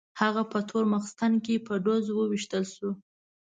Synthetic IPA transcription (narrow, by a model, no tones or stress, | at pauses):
haɣapət̪ʰoɾmaxst̪ankepəɖozwəwiʃt̪əlʃu